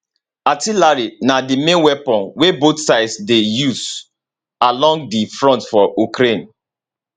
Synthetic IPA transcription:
atilaɹinadimẽnwɛpɔ̃nwebotsaɪdsdejuz | alɔ̃ŋɡ̚difɹɔ̃ntfɔukɾẽn

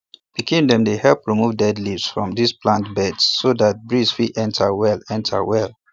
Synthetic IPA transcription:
b̥ikĩndɛ̃mdehɛlˠpɹimuvdɛdlivsfɹɔ̃mdisplãntbɛdsːodat̚bɹisfiʔɛ̃ntʰəwɛlɛ̃ntʰə̰wɛl

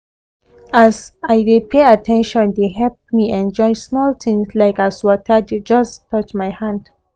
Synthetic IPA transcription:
azajdepʰeatʰɛ̃nʃɔ̃ndeɦɛp̚miɛ̃nd͡ʒɔ̃ɪsmɔlt̪ʰɪ̃ŋslaɪkaswɔtʰəded͡ʒʌstʰːʌt͡ʃmajhãnd̥

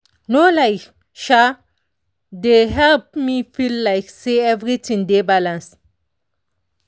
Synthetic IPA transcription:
nolaɪk | ʃa | deɦɛlp̚mifilːaɪkseɛvɹitʰɪ̃ŋdebalãns

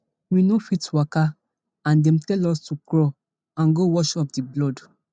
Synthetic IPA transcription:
winofitwaka | ãndɛ̃mtɛlɔstukɾɔ | ãnɡowɔʃɔp̚diblɔd

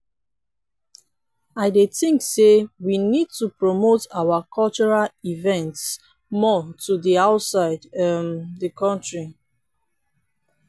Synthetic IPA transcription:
aɪdeθĩŋksewinid̚tupɹomotawakʰɔlt͡ʃɔɹalivɛ̃nts | mɔtʰudiaʊtsaɪdɛmdəkʰɔ̃ntɹi

